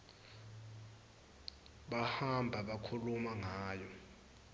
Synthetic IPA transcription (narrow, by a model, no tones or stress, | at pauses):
ɓahambʱaɓakʰulumaŋaːjɔ